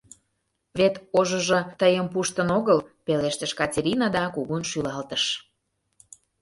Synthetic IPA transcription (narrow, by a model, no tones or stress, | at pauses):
βet̪oʒəʒŏt̪əjəmpuʃt̪ənoɣəlpeleʃt̪əʃkɑtʲeɾʲinɑd̪ɑkuɣunʃylɑlt̪əʃ